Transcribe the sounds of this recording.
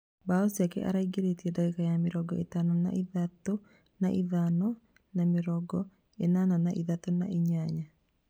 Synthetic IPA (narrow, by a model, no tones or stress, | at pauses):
baosiakɛ̰ʔa̰ɾaiɡeɾetiɛdaɡekajamɪɾɔɡɔetanana̰ʔiðato | naʔiðanɔ | namɪɾɔɡɔ | enananaʔiðatona̰ʔiɲaɲa